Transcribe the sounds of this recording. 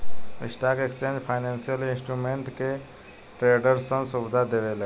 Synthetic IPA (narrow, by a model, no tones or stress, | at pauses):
ḭsʈakekst͡ʃẽnd͡ʒpʰaɪnẽnsijəlinsʈɾumeɳʈke | ʈɾeɖəɾsə̃subd̪ʱad̪eʋelə